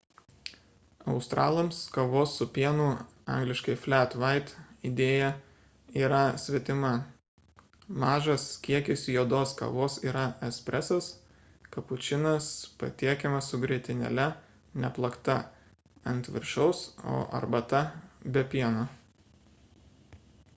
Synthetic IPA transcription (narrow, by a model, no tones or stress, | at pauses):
ɐʊst̪ɾʔɑːlˠomskɐʋoːsːʊpʲiɛnuː | ɑ̰ŋɡlʲɪʃkɐɪfʲlʲæːt̪ʋɑɪt̪id̪ʲeːjɛ | iːɾɐsʲʋʲɛt̪ʲɪmɐ | mɑːʒɐskʲiɛkʲɪsʲijoːd̪oːskɐ̰ʋoːsiːɾɐɛsʲpʲɾʲʔɛsɐs | kɐpʊt͡ʃʲɪnɐspɐ̰t̪ʲiɛkʲɛmɐssʊɡɾʲiɛt̪ʲɪnʲɛ̰lʲɛ | nʲɛplˠɐkt̪ɐ | ɐnʲt̪ʲʋʲɪ̰ɾʲʃɛʊso̰ːʔɐ̰ɾbɐt̪ɐbʲɛpʲiɛno